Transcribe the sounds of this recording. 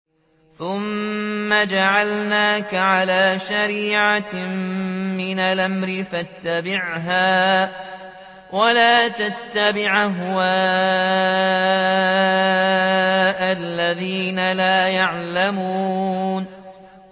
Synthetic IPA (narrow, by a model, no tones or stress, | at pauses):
θʊmːad͡ʒaʕalnaːkaʕalaːʃaɾiːʕa | mɪnalʔamɾɪfat̪ːabɪʕɦaː | wʔalaːt̪at̪ːabɪʕɦʊwaː | ʔalːaðiːnalaːjaʕlamuːn